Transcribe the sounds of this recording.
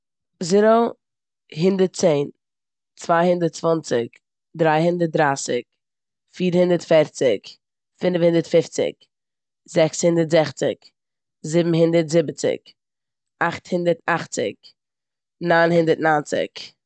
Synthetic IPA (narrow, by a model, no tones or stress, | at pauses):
zɪɾo | ɦɪndəɾt̚t͡seɪn | t͡svaɪhɪndəɾt̚t͡svɔnt͡sɪk | dɾaɪhɪndəɾt̚dɾaːsɪk | fiːɾhɪndəɾtfɛɾt͡sɪk | fɪnfhɪndəɾtfɪft͡sɪ̰k | zɛkshɪndətzɛχt͡sɪ̰k | zɪbm̩ɦɪndəɾtzɪbət͡sɪ̰k | aχthɪndəɾtaχt͡sɪ̰k | naɪnhɪndəɾtnaːnt͡sɪ̰k